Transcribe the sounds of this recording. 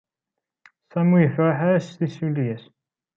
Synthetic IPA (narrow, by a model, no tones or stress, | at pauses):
sæmijəfɾaħaɾæsθisuljæs